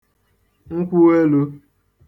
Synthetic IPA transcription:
ŋ̩˦kʷu˦we˦lu˦

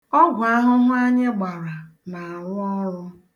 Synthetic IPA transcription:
ɔ˦ɡʷʊ˨a˦ɦʊ˦mʊ˦a˦ɲe˦ɡ͡ba˨ɾa˨ | na˨a˨lɔ˦ɾʊ˦

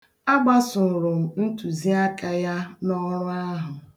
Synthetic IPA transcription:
a˦ɡ͡ba˦sʊ˨ɾʊ˨m̩˨n̩˦tu˨zi˦a˦ka˦ja˦nɔ˦ɾʊ˦a˦ɦʊ˨

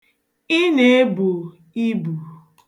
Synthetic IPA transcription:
ɪ˦ne˨˦e˦bu˨ | i˦bu˨

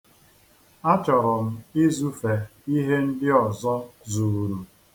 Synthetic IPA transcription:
a˦t͡ʃɔ˨ɾɔ˨m̩˦ɪ˦zu˦fe˨i˦ɦe˦n̩˦dɪ˦ɔ˨zɔ˦zu˨ɾu˨

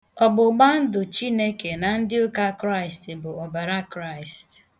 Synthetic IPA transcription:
ɔ˨ɡ͡bʊ˨ɡ͡ba˦n̩˦dʊ˨t͡ʃi˦ne˦ke˨na˨n̩˦dɪ˦ʊ˦ka˦kɾa˦ɪ˨stɪ˨bʊ˨o˨ba˨ɾa˦kɾa˦˨ɪ˨st

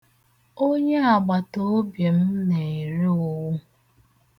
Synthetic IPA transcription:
o˦ɲe˦a˨ɡ͡ba˨to˦o˦bje˨m̩˦ne˨i˨ɾe˦o˨wʊ˦

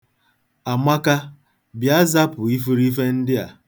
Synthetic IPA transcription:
a˨ma˦ka˦ | bja˦za˦pʊ˨i˦fu˦ɾi˦fe˦n̩˦dɪ˦a̰˨

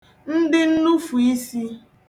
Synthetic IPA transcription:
n̩˦dɪ˦n̩˦nu˦fu˨i˦si˦

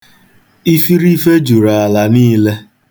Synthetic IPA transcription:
i˦fi˦ɾi˦fe˦d͡ʒu˨ɾa˨a˨la˨niː˦le˦

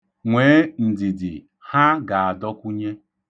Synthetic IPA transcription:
ŋʷeː˨˦n̩˨dɪ˨dɪ̰˨ | ha˦ɡa˨a˨dɔ˦kʷu˦ɲe˦

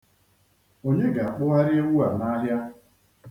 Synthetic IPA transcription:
o˦ɲe˦ɡa˨a˨k͡pʊ˦ɣa˦ɾɪ˦e˦wu˦a˨na˦ɦja˦

